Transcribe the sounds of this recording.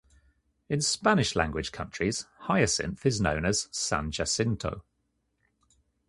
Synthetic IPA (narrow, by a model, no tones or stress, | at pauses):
ɪ̃nspanɪʃlã̰ŋɡwɪd̥ʒ̥kʰʌ̃nt͡ʃɹ̥iz̥haɪəsɪ̰̃nθɪznə̰̃ʊ̃nəz̥sã̰nd͡ʒasɪ̃ntʰə̰ʊ